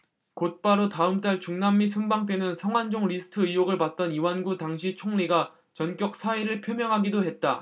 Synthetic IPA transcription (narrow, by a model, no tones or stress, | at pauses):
kot̚p͈aɾotaɯmt͈aɭt͡ɕuŋnamːisʰumbaŋt͈we̞nɯnsʰʌŋwand͡ʑoŋɾisʰɯ̥tʰɯijoɡɯɭpat̚t͈ʌniwanɡutaŋɕ̬ʰit͡ɕʰoŋniɡa | t͡ɕʌnk͈jʌk̚s͈ʰaiɾɯɭpʰjomjʌŋɦaɡidoɦe̞t̚t͈a